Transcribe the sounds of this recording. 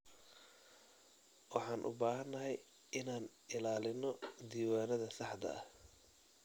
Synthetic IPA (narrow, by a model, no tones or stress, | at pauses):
wɑħɑːnʔʊ̰baːɦɐnːɐɦɛj | ɪnaːn | ɪlaːlɪnɔd̪iːwaːnɐðɐsɑħd̪ɐ̰ʔɐh